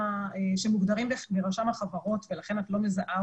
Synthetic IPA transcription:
eʃemuɡd̪aʁimbebeʁaʃamhaχavaʁo̞tvelaχe̞natlo̞mezaʔa

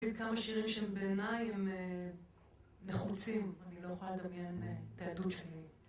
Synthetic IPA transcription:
id̪̚kamaʃiʁimʃeembeːnajeme | neχut͡simanilo̞jeχolaled̪ɐmjenet̪aadutʃeli

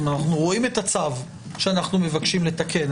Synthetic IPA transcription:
anaχnuʁo̞ime̞t̪at͡sav | ʃeanaχnume̞vakʃimle̞takʰe̞n

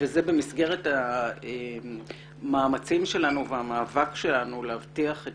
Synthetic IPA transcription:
vezebe̞misɡe̞ʁe̞thae | maːmat͡simʃe̞lanuveamaːvakʃe̞lanuleavtiaχe

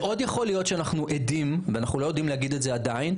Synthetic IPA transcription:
ʔo̞djaχo̞lijo̞tʃeanaχnuʔed̪imveanaχnulojod̪imleaɡid̪etzead̪ain

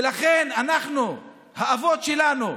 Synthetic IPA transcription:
laχe̞nanaχnu | haavo̞tʃelanu

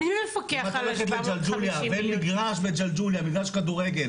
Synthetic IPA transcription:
uefokmat̪aleχet̪̬led͡ʒald͡ʒuljabenmiɡʁaʃbed͡ʒald͡ʒuljamiɡʁaʃkad̪uʁeɡel

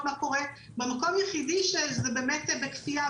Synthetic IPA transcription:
mako̞ʁe | bemako̞mjeχidiʃezebeːmetbekfia

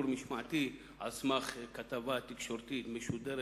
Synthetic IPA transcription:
ɾmiʃmaʕt̪i | a̰smaχkat̪avat̪ikʃoɾt̪it̪meʃud̪ɛɾ

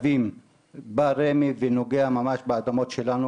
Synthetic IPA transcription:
vim | baɾemiveno̞ɡeamamaʃbead̪amo̞t̪ʃelanu

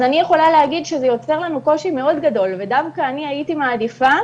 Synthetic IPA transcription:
zanijeχo̞laleaɡidʃezejo̞t͡se̞ʁlanuko̞ʃime̞o̞dɡado̞lve̞davkaːniajitimaːdifa

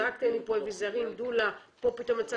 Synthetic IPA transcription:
akt̪enlipoevizaʁimd̪ulapo̞pit̪o̞mat͡sa

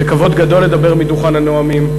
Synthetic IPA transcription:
ekavo̞d̪ɡad̪o̞lːed̪abe̞ʁmid̪uχananoamim

